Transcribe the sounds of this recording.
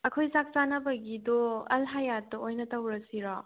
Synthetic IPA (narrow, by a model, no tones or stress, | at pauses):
ɐkʰojzak̚zanɐbɐɡidoɐlɦajatːɐojnɐtɐwɾɐsiɾɔ